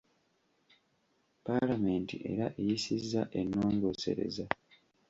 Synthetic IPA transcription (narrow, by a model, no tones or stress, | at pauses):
palame̞ːntḭʔe̞̰ɾaʔejisizːaʔe̞nːoːŋɡose̞̰ɾe̞̰za